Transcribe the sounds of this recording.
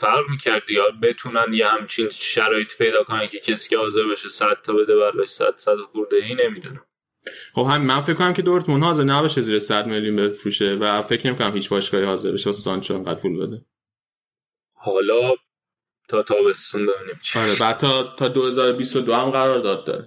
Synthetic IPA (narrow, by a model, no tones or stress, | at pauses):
fæɾʁmiːcʰæɾd̪iɒbe̞t̪ʰunænjehæmt͡ʃʰinʃæɾɒːjet̪ʰi̥pʰe̞jd̪ɒːkonæncʰe̞cʰesi̥ːcehɒːze̞ɾbeʃesæd̪̥t̪ʰːɒbe̞d̪ebæɾbɒʃsæ̰d̪sæt̪ɒxuɾd̪eɦiːne̞mid̪unæm | χo̞bhæminmænfeckʰːonæmkʲcʰe̞d̪oɾt̪munhɒːzeɾnæbɒːʃeziːɾesæd̪me̞ljunbefɾuːʃevæfe̞cʰnemikʰonæmhiːt͡ʃbɒːʃkɒːhihɒːzeɾbeʃebɒsɒnt͡ʃʰoeŋɡæd̪̚pʰulbḛd̪e | hɒːlɒː | t̪ʰɒːt̪ʰɒːbe̞st̪unbe̞biːnimt͡ʃʰɒɾebæd̪̚t̪ʰːɒːt̪ʰɒːd̪ohe̞zɒːɾobist̪od̪oæmɢæɾɒːɾd̪ɒːd̪̚d̪ɒ̰ːɾe